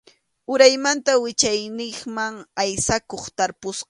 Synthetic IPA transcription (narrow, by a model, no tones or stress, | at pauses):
ʊɾajmant̪awɪt͡ʃajnɪχmaŋajsakoχt̪aɾpʊsqɑ